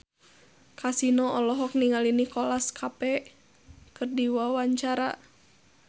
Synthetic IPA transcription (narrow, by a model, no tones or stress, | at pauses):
kʰasinɔɔlɔɦɔk̚niŋalinikɔlaskʰapɛ | kɨrdiwawaɲt͡ʃaɾa̰